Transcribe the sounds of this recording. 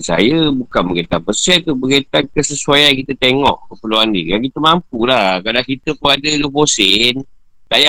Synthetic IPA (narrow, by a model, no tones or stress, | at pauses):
sa̰jəbukanbəɡet̪apəsɛt̪ubəɡet̪ankəsəsuajajkit̪ət̪eŋɔʔkəpəluandiɾiakit̪əmampulahkadakit̪əpuadəloposɪn | t̪aja